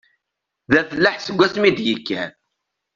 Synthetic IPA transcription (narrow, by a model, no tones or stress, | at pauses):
ðæθəlːaħsəɡʷːæsmid̪jəkːæn